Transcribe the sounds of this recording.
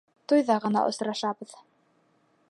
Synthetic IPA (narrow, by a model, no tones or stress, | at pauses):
t̪ujðɑʁɤ̆nɑ̰ʔŏ̰sɾɑʃɑβɤ̆ð